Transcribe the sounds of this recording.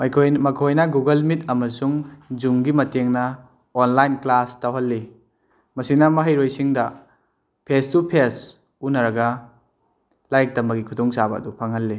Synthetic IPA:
mkʰjmɐkʰojnɐɡuɡɐlmitɐmɐsuŋd͡ʒuŋɡimɐteŋnɐ | onlajnklastɐwɦɐlːi | mɐsinɐmɐɦɐjɾojsiŋdɐ | pʰestupʰes | unɐɾɐɡɐ | lajk̚tɐmbɐɡikʰudɔŋsabɐɐ̰dupʰɐŋɦɐlːi

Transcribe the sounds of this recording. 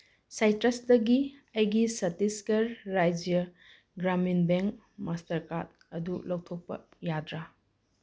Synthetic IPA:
sajtɾɐsdɐɡiɐjɡisɐtiskɐɾːajd͡ʒjɐ | ɡɾaminbeŋk̚ | mastɐɾkat̚ | ɐdulɐwtʰok̚pɐ̰ | jadɾa

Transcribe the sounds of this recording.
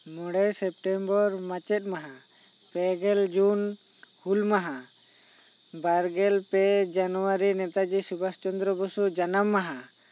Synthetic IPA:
mɔɽɛjsɛp̚ʈɛmbɔɾmat͡ʃɛt̪̚ˀmaɦa | pɛɡɛld͡ʒun | hulmaɦa | baɾɡɛlpɛd͡ʒanuwaɾinɛt̪ad͡ʒisubast͡ʃɔnd̪ɾɔbɔsud͡ʒanamːaɦa

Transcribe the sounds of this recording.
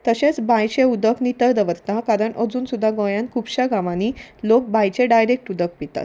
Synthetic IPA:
t̪əɕet͡sbajt͡ɕẽud̪əknit̪əɾd̪əʋəɾt̪ãkaɾəɳʔəd͡zuːnsud̪ʱːaɡɔ̃jãnkʰuːbɕaɡaʋanilok̚bajt͡ɕeɖajɾek̚ʈud̪ək̚pit̪a̰t̪

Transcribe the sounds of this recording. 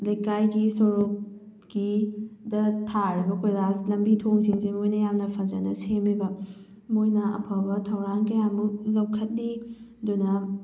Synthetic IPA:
lɐjkajɡisoɾup̚ | ɡidɐtʰaɾibɐkʰojɾaslɐmbitʰoŋsiŋsimojnɐjamnɐpʰɐzɐnɐ̰semibɐ | mojnɐɐ̰pʰɐbɐtʰɐwɾaŋkɐjamulɐwkʰɐt̚nidunɐ

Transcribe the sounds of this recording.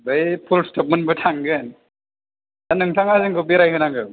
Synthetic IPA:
bɯjpʰulstʰɔp̚mɯnbɯtʰaŋɡɯn | danɯŋtʰaŋazɯŋɡɯbiɾajɦɯnaŋɡɯ

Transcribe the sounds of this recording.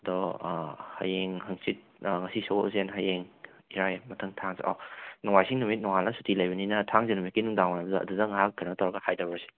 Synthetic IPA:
ɐdɔ | hɐ̰jeŋɦɐŋsit̚ŋɐsiso̰zenɦajeŋ | iɾajmɐtʰɐŋtʰaŋzɐ̰ʔa̰nɔŋajsiŋnumit̚nɔŋalnɐsutʰilɐjbɐninɐtʰaŋzɐnumit̚kinuŋdawnajbɐdɐɐ̰dudɐŋaɦakʰːanɐɐtʰawɾɐɡɐhajdabɐsi̥

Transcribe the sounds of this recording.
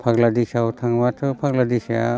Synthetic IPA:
pʰaɡladisawtʰaŋbatʰɯpʰaɡladisa̰

